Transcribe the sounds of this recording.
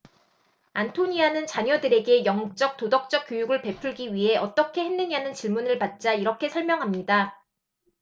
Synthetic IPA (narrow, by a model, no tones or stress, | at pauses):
antʰoɲianɯnt͡ɕaɲʌdɯɾe̞ɡe̞jʌŋt͡ɕ͈ʌk̚t͈odʌk̚t͡ɕ͈ʌk̚k͈jojuɡɯɭpe̞pʰuɭɡiɥiɦe̞ʔʌt͈ʌkʰe̞henːɯɲanɯnt͡ɕiɭmunɯɭpat̚t͡ɕ͈aiɾʌkʰe̞sʰʌɭmjʌŋɦamɲida